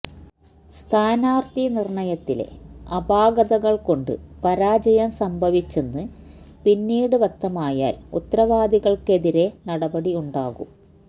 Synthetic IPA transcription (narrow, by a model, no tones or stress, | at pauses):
st̪ʰaːnaːrt̪inirɳɐjɐt̪ːile̞̰ɐbaːɡɐðɐɣɐɭko̞ɳɖɨ̰pɐɾaːd͡ʑɐjɐmsɐmbʱɐʋit͡ɕːe̞nːɨ | pinːiːɽɨʋɐt̪ːɐmaːja̰ːlut̪ːrɐʋaːd̪iɣɐɭke̞ðiɾe̞nɐɽɐbɐɽiuɳɖaːɣṵ